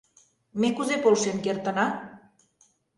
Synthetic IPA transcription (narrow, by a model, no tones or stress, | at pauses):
mekuzepolʃenkert̪ə̆nɑ